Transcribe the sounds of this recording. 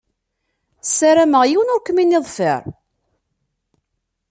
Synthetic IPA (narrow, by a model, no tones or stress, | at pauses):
sːaɾæməʁjiwənʊɾkəminːɪðˤfə̰ɾˤ